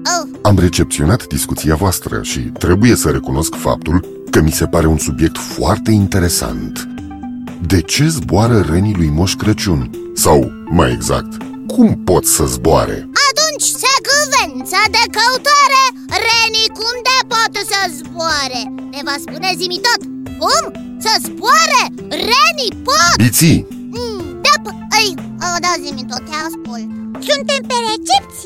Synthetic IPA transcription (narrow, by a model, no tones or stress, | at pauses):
əamre̞t͡ʃe̞p̚t̪sio̞nat̪d̪iskut̪siavoast̪ɾə̰ʃḭt̪ɾe̞buje̞səɾekuno̞skfa̰p̚t̪ul | kəmise̞paɾe̞unsubje̞k̚t̪foart̪e̞int̪e̞ɾe̞sa̰nt̪ | d̪e̞t͡ʃe̞zboaɾəɾenilujmoʃkɾət͡ʃun | saw | maje̞̰ɡza̰k̚t̪ | kʰumpo̞t̪sʲsəzboa̰ɾḛat̪unt͡ʃʲsekəvent̪səd̪ekəut̪aɾe | ɾenikumd̪epwat̪esəzboaɾe | nevaspunezimit̪ot̪ | kum | səzbwaɾe | renipobit̪si | d̪ep | əj | ad̪azimit̪ot̪easpol | sunt̪empeɾet͡ʃep̚t̪sʲ